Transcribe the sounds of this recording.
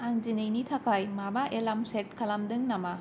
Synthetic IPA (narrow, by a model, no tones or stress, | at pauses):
aŋd͡ʒinɯjnitʰakajmamaʔelamseʈ̚kʰalamdɯŋnama